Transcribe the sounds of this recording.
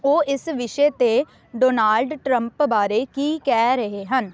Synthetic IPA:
oːʔɪsʋɪʃeːt̪eː | ɖoːnaːlɖʈɾə̃mpbaːɾeːkiːkɛːɾəɦeːɦən

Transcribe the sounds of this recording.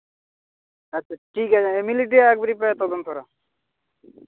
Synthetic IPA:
ɐtːɕʰaʈʰikat͡ɕʰaemiliʈ̬iaɛk̚beɾipaet̪ɔd̪ont̪ɔɾa

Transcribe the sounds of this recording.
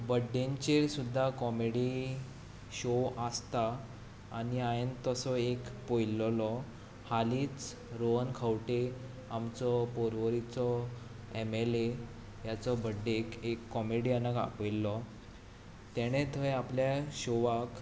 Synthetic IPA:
bəɖeɲt͡ɕeɾsud̪ʱːakɔmeɽi | ɕoʔast̪aː | ɽiajənt̪ɔsɔekpojlːɔlɔ | haliːt͡s | ɾoənkʰawʈe | amt͡sɔpoɾʋəɾit͡sɔ | emele | jat͡sɔbəɖːekekːɔmeɽianaɡa̰pəjlːɔ | t̪ɛɽ̃et̪ʰəjapljaɕoʋak

